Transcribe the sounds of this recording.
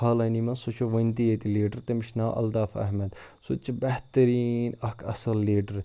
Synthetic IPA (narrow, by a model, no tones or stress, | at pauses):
aːlɐjnimɐnsot͡ʃʰoʋɐ̃nt̪iet̪iliːɖəɾt̪emiʃnaːʔɐ̰ld̪aːfɐ̰ɦmɐd̪sot͡ʃbɐɦt̪ɐɾiːnɐkʰɐ̰sɐlːiːɖəɾ